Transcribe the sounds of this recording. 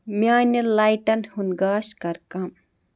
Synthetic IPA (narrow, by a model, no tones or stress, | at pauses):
miaːnilaːjʈɐnhunɡaːʃkɐɾkɐm